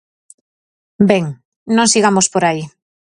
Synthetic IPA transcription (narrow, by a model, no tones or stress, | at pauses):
beŋ | nõŋsiɣ̞amospoɾai